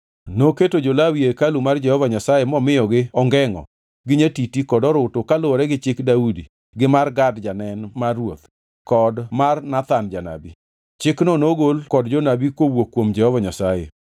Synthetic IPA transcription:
noketod͡ʒolawiekalumard͡ʒɛhɔvaɲasajemɔmɪjɔɡɪɔŋɡɛŋɔ̰ | ɡɪɲetitikɔdɔɾʊtokaloɔɾɛɡɪt͡ʃɪkdaudḭ | ɡɪmarɡadd͡ʒanɛnmarwot̪ | kɔdmarnat̪and͡ʒana̰bi | t͡ʃɪknonoɡolkɔdd͡ʒonabikwowokːwomd͡ʒɛhɔvaɲasajḛ

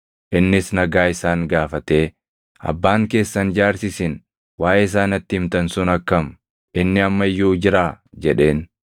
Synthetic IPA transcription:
ʔɪnːɪsnɐɡaːɪsaːŋɡaːfɐt̪e̞ː | ɐ̰bːaːŋke̞ːsːɐnd͡ʒaːɾsɪsɪn | waːʔɛɪs̬aːnɐt̪ːɪɪmt̪ɐnsʊnɐkːɐm | ʔɪnːɪɐmːɐjːuːd͡ʒɪɾaːd͡ʒɛᶑe̞ːn

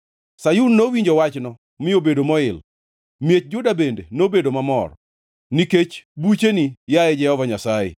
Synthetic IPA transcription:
sajunːowiɲd͡ʒowat͡ʃnɔ | mɪobedomɔɪl | mjet͡ʃ̚d͡ʒʊdabendenobedomamɔ̰r | niket͡ʃbut͡ʃenijaɛd͡ʒɛhɔvaɲasajɛ̰

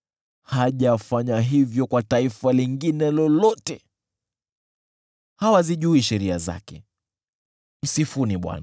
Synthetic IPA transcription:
haʄafaɲaɦivjɔkwataifaliŋɡinɛlɔlɔtɛ | hawaziʄuiʃɛɾia̰za̰kɛ | m̩sifuniɓwa̰na

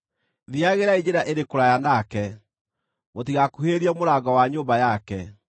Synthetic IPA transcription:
ðiaɣeɾaid͡ʑeɾaʔeɾekoɾajanakɛ | motiɣakuɦeɾiɛmoɾaɡawaɲoːmbajakɛ

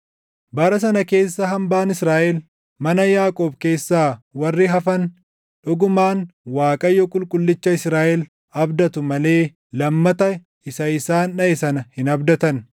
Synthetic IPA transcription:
bɐɾɐs̬ɐnɐke̞ːsːɐɦɐmbaːnɪsɾaːʔɛl | mɐnɐjaːkʼoːbkeːsːaːwɐrːɪɦɐfɐn | ᶑʊɡʊmaːnwaːkʼɐjːɔkʼʊlkʼʊlːɪt͡ʃːɐɪsɾaːʔɛl | ɐbd̪ɐt̪ʊmɐle̞ː | ɐmːɐt̪ɐ | ɪsɐɪsaːnᶑɐɪsɐnɐhɪnɐbd̪ɐt̪ɐn

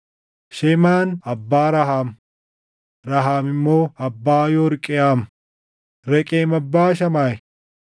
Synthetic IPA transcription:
ʃɛmaːnɐbːaːɾɐɦaːm | ɾɐɦaːmɪmːo̞ːɐbːaːjoːɾkʼɪjaːm | ɾɛkʼeːmɐbːaːʃ̬ɐmaːj

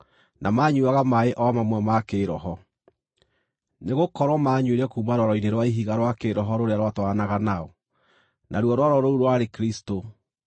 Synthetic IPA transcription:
nʔamaːɲuaɣamaeʔɔmamwɛmakeːɾɔɦɔ | neɣokɔɾwɔmaɲweɾɛkuːmaɾwɔɾɔineɾwaiɦiɣaɾwakeɾɔɦɔɾoɾeaɾwatwaanaɣanaɔ | nʔaɾwɔɾwaɾɔɾouɾwaɾekɾisto

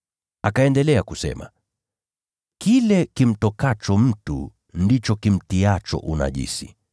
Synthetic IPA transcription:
akaɛndɛlɛakusɛ̰ma | kilɛkim̩tɔkat͡ʃɔm̩tṵ | ndit͡ʃɔkim̩tiat͡ʃɔ̰ʔuna̰ʄḭsḭ

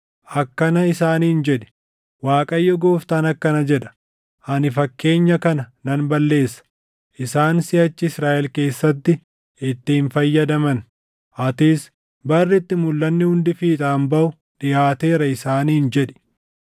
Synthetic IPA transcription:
ʔɐkːɐnɐɪsaːniːnd͡ʒɛᶑɛ̥ | waːkʼɐjːɔɡo̞ːft̪anɐkːɐnɐd͡ʒɛᶑɐ̥ | ʔɐnɪfɐkːe̞ːɲːɐkɐnɐnɐnbɐlːe̞ːsːɐ̥ | ʔɪsaːnsɪhɐt͡ʃːɪɪsɾaːʔɛlke̞ːsːɐt̪ːɪ | ɪt̪ːɪɪnfɐjːɐd̪ɐmɐn | ʔɐt̪iːs | bɐrːɪt̪ːɪmʊlːɐnːɪhʊnd̪ɪfiːt̪ʼaːmbɐʔʊ | ɗɪjaːt̪e̞ːɾɐɪsaːniːnd͡ʒɛᶑɛ̥

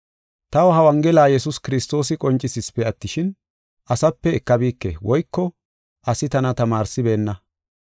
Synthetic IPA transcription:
t̪ɐwɦɐwɐŋɡɛlaːjɛsʊskɪɾɪst̪o̞ːs̬ɪkʼɔnt͡ʃʼːɪsɪspːɛɐt̪ːɪʃɪn | ʔɐsɐpːɛːkːɐbiːkːɛ̰wɔjkːɔ | ʔɐsɪt̪ɐnɐt̪ɐmaːɾsɪbe̞ːnːɐ

